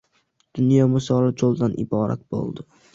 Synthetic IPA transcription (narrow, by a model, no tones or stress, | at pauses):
d̪̥ʊnjɒmʊsɒlad͡ʒolˠd̪anʔɪ̰bɒɾa̰k̪̚b̥o̰lˠd̪ɪ